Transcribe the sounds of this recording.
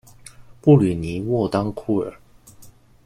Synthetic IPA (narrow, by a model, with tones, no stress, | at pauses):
pu˥˨ly˨˩ni˨˦wɔ˥˩t̪ɑ˥ŋkʰu˥˩ə˞˨˩˦